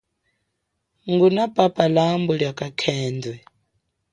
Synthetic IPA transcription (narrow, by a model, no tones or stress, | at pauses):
ŋɡunapʼapʼalambɔɺjakʼakʰɛːndwɛ